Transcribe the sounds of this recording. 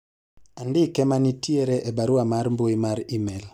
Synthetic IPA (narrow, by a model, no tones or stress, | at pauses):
andɪkɛmanitieɾɛʔebaɾuamaɾmboimaɾimɛl